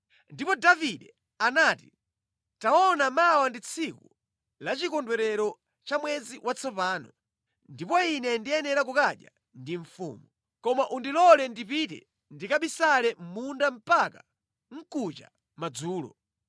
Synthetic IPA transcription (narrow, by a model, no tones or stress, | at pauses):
ndipɔdaviɗɛ | anaːti | taɔnamawandit͡sʰiku | lat͡ʃikɔndwɛɾɛɾɔ | t͡ʃamwɛd͡ziwʔat͡sʰɔpaːnɔ | ndipɔinɛndiɛnɛɾak̬ukaɗja̰ | ndiɱfṵːmu | kɔmaʔundilɔlɛndipitɛ̰ | ndikaɓisalɛmmundam̩paka | ŋ̩kut͡ʃa̰ | mad͡zuːlɔ̰